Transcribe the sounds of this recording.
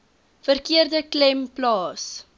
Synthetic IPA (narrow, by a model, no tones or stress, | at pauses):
fərkiərdəklɛmplɑːs